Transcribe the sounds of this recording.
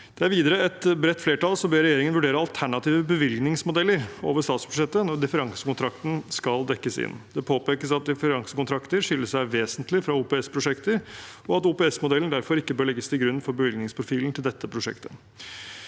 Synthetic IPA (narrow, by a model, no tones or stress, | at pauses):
d̪̥ɛæɾʋiːd̪əɾəɛt̪bɾɛt̪ːfleːʈɑlsɔbøːɾɛjeːɾɪŋənʋʉɖeːɾəɑlt̪ʰæɳɑt̪iːʋəbəʋɪlɡnɪŋsmʊd̪ɛlːəɾo̰ːʋəʂt̪ɑːt̪sb̥ʉ̥ʂɛt̪ːənɔd̪ɪfəɾɑŋsə̥kʊnt̪ʰɾɑkt̪n̩skɑld̪ɛkːəsɪ̰nd̪ɛpʰoːpeːkəsɑt̪̚d̪ɪfəɾɑŋsəkʊnt̪ɾɑkt̪əɾʂʏlːəʂæɪʋeːsənt̪lɪfɾɑuːpeːɛspʰɾʊʂɛkt̪əɾɔɑt̪uːpɛːɛsmʊd̪ɛlən̩d̪æɾfɔɾɪkːəbøːɭɛɡːəst̪ɪɡɾʉnːfɔɾbəʋɪlɡnɪŋspʰɾʊfiːln̩t̪ʰɪld̪ɛt̪ːəpʰɾʊʂɛ̰kt̪ʰə